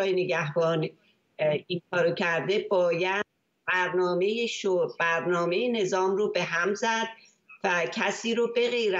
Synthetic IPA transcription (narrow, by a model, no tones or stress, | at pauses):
jeneɡæɦb̥ɒːn | iŋkʰɒːɾocʰæɾd̪e̞bɒːjæ̥ | bæɾnɒːme̞jeʃoɾbæɾnɒːme̞jene̞zɒːmroːbe̞ɦæmzæd̪̥ | væcʰæsiːɾoːbe̞ɣeɾæ